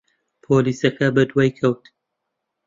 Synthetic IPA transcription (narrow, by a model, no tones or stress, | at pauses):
pʰoːliːsɐkɐbɐd̪wajkʰɐwt̪